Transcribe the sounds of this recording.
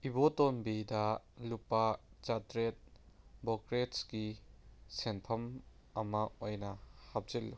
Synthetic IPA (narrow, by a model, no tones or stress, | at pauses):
ibotonbidɐlupɐt͡ʃatɾet̚ | bokɾetsɡisenpʰɐm | ɐmɐojnɐhap̚zilːu